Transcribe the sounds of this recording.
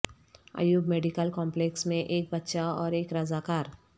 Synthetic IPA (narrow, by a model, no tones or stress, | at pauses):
a̰juːɡmeːɖikəlkɔːmpleːksmẽʔeːk̚bɐt̪ːʃaɔːɾeːkɾəzaːkaːɾ